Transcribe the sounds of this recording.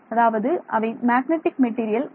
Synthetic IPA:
ɐðaːʋɐðɯʔɐ̰ʋɐɪmaːɡnɛʈːɪk̚mɛʈːiːɾɪjɐl

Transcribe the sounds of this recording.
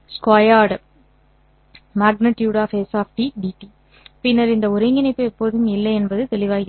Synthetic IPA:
skwaːjaːɽ | maːɡ̚nɪʈjuːɽaːfesaːfʈiɖiʈːi | pɪnːɐɾɪnd̪ɐʊɾɐɪŋɡɪnɐɪpːɯɛpːoːðɯmɪlːɐɪɛnbɐðɯt̪ɛlɪʋaːɣɪ

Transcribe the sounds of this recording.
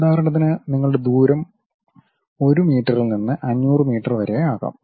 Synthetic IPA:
d̪aːɾɐɳɐt̪̬ːinɨniŋːɐɭuɽe̞d̪uːɾɐm | o̞ɾumiːʈːɐrilninːɨʔɐnːuːrɨmiːʈːɐrʋɐɾeaːɣa̰ːm

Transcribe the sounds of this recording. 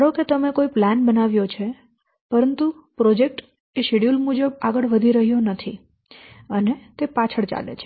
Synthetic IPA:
ɽoket̪əmekoiplanbənaʋjot͡ʃʰe | pəɾənt̪upɾɔd͡ʒek̚ʈ | eʃeɽijulmud͡ʒəbaɡəɭʋəd̪ʱiɾəɦjonət̪ʰḭ | ənet̪epat͡ʃʰəɽt͡ʃa̰lḛt͡ʃʰe̥

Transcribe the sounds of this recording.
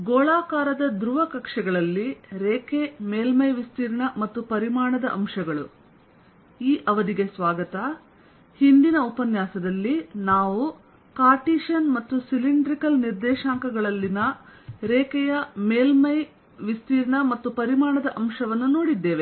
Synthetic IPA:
ɡoːɭaːkaːɾɐd̪ɐd̪ɾuʋɐkɐkʂɐɡɐɭɐlːiɾeːkemeːlmɐjʋist̪iːɾɐɳɐmɐt̪ːupɐɾimaːɳɐd̪ɐʔɐmʃɐɡɐɭu | iːʔɐʋɐd̪iɡesʋaːɡɐt̪ɐ | hind̪inɐupɐnjaːsɐd̪ɐlːinaːʋu | kaːʈiːʃɐnmɐt̪ːusiliɳɖɾikɐlniɾd̪ɛːʃaːŋkɐɡɐɭɐlːinɐɾeːkɛjɐmeːlmɐj | ʋist̪iːɾɐɳɐmɐt̪ːupɐɾimaːɳɐd̪ɐʔɐmʂɐʋɐnːuno̞ːɽid̪ːeːʋe

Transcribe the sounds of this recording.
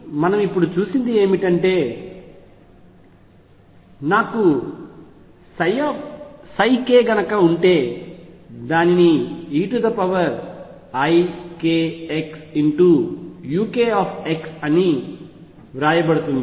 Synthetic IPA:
mɐnɐmipːuɽut͡ʃuːsind̪ie̞ːmiʈɐɳʈe̞ː | naːku | j | sɐjke̞ːɡɐnɐkɐuɳʈe̞ː | d̪aːniniiːʈud̪ɐpɐʋɐɾ | ɐjkeːeksiɳʈujuːkeːaːpʰeksɐni | ʋɾaːjɐbɐɽut̪und̪i

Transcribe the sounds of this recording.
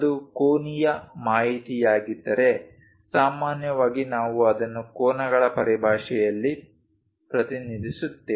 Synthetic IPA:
ɐd̪ukoːnijɐmaːɦit̪ijaːɡid̪ːɐɾe̞ | saːmaːnjɐʋaːɡinaːʋuɐd̪ɐnːukoːnɐɡɐɭɐpɐɾibʱaːʂɛjɐlːi | pɾɐt̪inid̪ʱisut̪ːe

